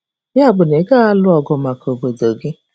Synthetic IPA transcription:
ja˦˨bʊ˨ne˨˦ɡa˦a˦lʊ˦ɔ˨ɡɔ˨ma˨ko˨ɡ͡bo˨do˨ɡɪ˦

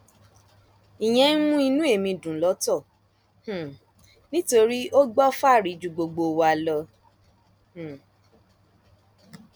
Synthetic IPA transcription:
i˨j̃ɛ̃˨˧˦nũ˦i˧nũ˦e˦˨mĩ˧dũ˨lɔ˨˦tɔ˦˨ | h̩˨ | nĩ˦to˧ɾi˦o˦ɡ͡bɔ˦fa˦˨ɾi˨˦d͡ʒu˨ɡ͡bo˧ɡ͡bo˧wa˧lɔ˧ | h̩˨

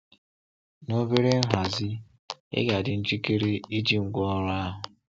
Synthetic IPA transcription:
no˦be˦ɾe˦n̩˦ɦa˨zɪ˦ | ɪ̰˦ɡa˨dɪ˨n̩˦t͡ʃi˦ke˦ɾe˦i˦d͡ʒi˦ŋ̩˨ɡʷɔ˦ɔ˦ɾa˦ɦʊ˨

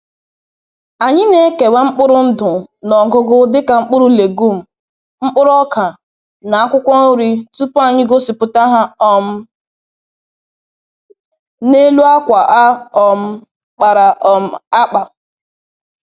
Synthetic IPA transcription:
a˨ɲɪ˦ne˦ke˨wa˦ŋ͡m̩˦k͡pʊ˦ɾʊ˦n̩˦dʊ˨nɔ˨ɡʊ˨ɡʊ˦dɪ˦ka˨ŋ͡m̩˦k͡pʊ˦ɾʊ˦le˨ɡu˦˨m̩˨ | ŋ͡m̩˦k͡pʊ˦ɾʊ˦ɔ˦kʰa˨ | na˨a˦kʷʊ˦kʷɔ˦o˦ɾi˦tu˦pʊ˦a˨ɲɪ˦ɡo˦si˨pʊ˨ta˦ɦa˦ɔ˨m̩˦ | ne˦lu˦a˦kʷa˨ʔa˦ɔ˨m̩˦ | k͡pa˨ɾa˨ʔɔ˨m̩˦˨a˦k͡pa˨

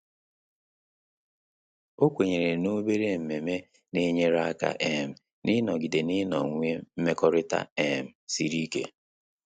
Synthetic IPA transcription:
o˦kʷe˨ɲe˨ɾe˨no˦be˦ɾe˦m̩˨me˨me˦ | ne˦ɲe˦ɾa˦ka̰˨ʔɛ˦m̩˨ | nɪ˦nɔ˨ɡi˨de˨nɪ˦nɔ̰˨ŋʷe˦m̩˦me˦kɔ˦ɾɪ˦ta̰˦ɛ˦˨m̩˨si˦ɾi˦kḛ˦

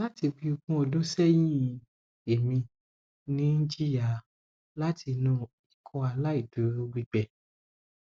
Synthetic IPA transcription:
la˦ti˧bi˧u˧bũ˧˦o˧dõ˦sɛ˦jĩ˦ | e˨mĩ˧ | nĩ˦n̩˦d͡ʒi˦ja˨ | la˦tʰi˧nũ˦˨ | i˨kʰɔ˧a˧la˦i˦˨du˨˦o˧ɡ͡bi˧ɡ͡bɛ˨

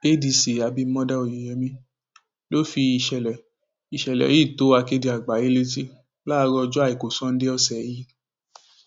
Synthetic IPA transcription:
e˦di˧si˨a˨˧bi˧˦mɔ̃˦da˦o˨ji˨jɛ˧˦mĩ˧˦ | lo˦fi˧i˧ʃɛ˨lɛ˨ | i˨ʃɛ˨lɛ̰˨ji˦˨to˨˦a˧ke˦di˧a˨ɡ͡ba˨˦ji˨˦le˧t̬i˦ | la˦˧ɾɔ˧d͡ʒɔ˦a˦˨i˨ko˨sɔ̃˦n̩˦de˦ɔ˧sɛ˨ji˨˦

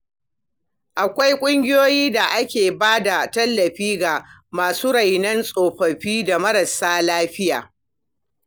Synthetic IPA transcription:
ʔa˨kʷa˦jkʷʼʊ˦ŋɡʲɪ˦joː˦jiː˦da˨ʔa˦kʲeː˨baː˦da˨tɐ˦lːɐ˨ɸiː˦ɡa˨ | maː˨suː˦ɽɐ˨jnɐ˦nsʼoː˨ɸɐ˨ɸiː˦da˨mɐ˦ɽɐ˨saː˦laː˦ɸɪ˦jaː˨

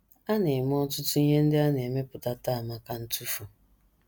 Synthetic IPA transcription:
a˦ne˨m˦ɔ˦tʊ˦tʊ˦i˦ɲe˦n̩˦dɪ˦a˦ne˨me˦pʊ˨ta˦ta˦˨ma˨ka˦n̩˦tu˦fu˨

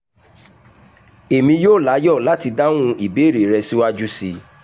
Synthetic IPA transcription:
e˨mĩ˧joː˦˨la˨˦jɔ˦˨la˨˦ti˧da˦ñũ˦i˦˨be˨˦˨ɾe˨ɾɛ˧si˦wa˦d͡ʒu˦si˧

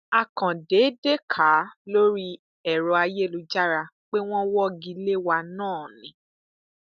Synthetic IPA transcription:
a˨kã˨de˨˦de˦kʰa˨˦lo˦ɾi˦ | ɛ˨ɾɔ˧˦a˧je˦˨lu˨˦d͡ʒa˦ɾa˧ | k͡pe˦w̃ɔ̃˦wɔ˦ɡi˧le˦wa˧nãː˦˨nĩ˨˦

